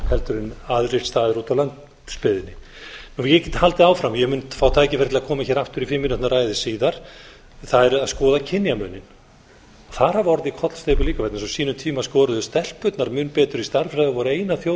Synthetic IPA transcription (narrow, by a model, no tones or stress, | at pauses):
kʰɛlt̪ʏɾɪnaðɾɪ̥t̪st̪aːðɪɾuːt̪awlant̪ | spɪðɪnːɪ | nuːjɛɛcɛt̪halt̪ɪaːwfɾamjɛmʏnfaːwt̪ʰaːjcɪfɪɾ̥t̪ɪlakʰɔːmaçɛːɾaft̪ʏɾifɪmːɪnʏt̪naɾaːjðɪsiːðaɾ̥ | θaðɛɾaðskɔːðacʰɪnjamʏːnɪn | ɔθaɾ̥havɔɾɪðikʰɔt̪l̥st̪ejpʏliːkavɛt̪nɪsɔsiːnʏmt̪ʰiːmaskɔːɾʏðʏst̪ɛl̥pːʏt̪naɾmʏnpɛːt̪ʏɾist̪aɾ̥fɾajðɔvɔːɾaeːjnaθjow